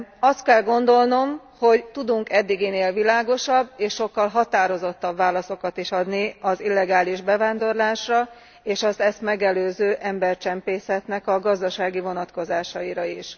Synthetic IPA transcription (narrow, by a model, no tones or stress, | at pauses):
ɒst̪̚kɛlɡo̞nd̪o̞lno̞m | ho̞ɟt̪ud̪uŋkɛd̪ːiɡeːneːlvilaːɡo̞ʃɒbːeːʃʃo̞kːɒlɦɒt̪aːɾo̞zo̞t̪ːɒbvaːlɒso̞kɒt̪iʃɒd̪niɒzilːɛɡaːliʒbɛvaːnd̪o̞rlaːʃrɒ | eːʃɒzɛst̪mɛɡɛløːzøːʔɛmbɛrt͡ʃɛmpeːsɛt̪nɛkɒɡɒzd̪ɒʃaːɡivo̞nɒt̪ko̞zaːʃɒiɾɒiʃ